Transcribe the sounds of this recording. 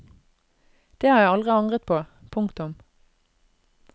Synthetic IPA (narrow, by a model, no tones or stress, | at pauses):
d̪̥eːhɑːjæɪɑlʁɪɑŋʁət̪̚pʰoːpʰʊŋkt̪ʊm